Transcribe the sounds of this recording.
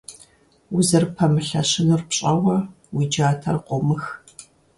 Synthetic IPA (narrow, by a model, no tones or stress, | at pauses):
ʊzɐrpʰɐmɨɬɐɕɪnɨrpɕʼɐwɐ | wiːd͡ʒaːtʰɐrqʷɔmɨx